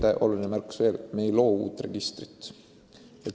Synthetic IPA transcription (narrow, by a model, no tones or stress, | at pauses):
t̪eʔo̞̰lulinəmærksve̞ːlme̞jlo̞ːṵːt̪ːˑre̞ɡ̥ist̪rit̪ːˑ | et̪